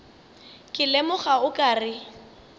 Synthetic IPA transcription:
kʼɪlɛmʊχaʊkʼaːrɪ

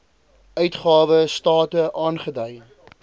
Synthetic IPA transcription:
œɥtχɑːvəstɑːtəʔɑːnχədœj

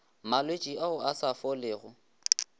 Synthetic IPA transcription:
malwet͡ʃʼiaʊasafɔlɪːɣʊ

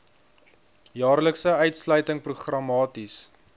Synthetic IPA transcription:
jɑːrləksəœɥtslœɥtəŋpruχrɐmɑːtis

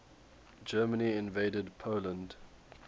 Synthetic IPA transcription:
d͡ʒɜːməniɪ̃nveɪdədpʰoʊlə̃nd

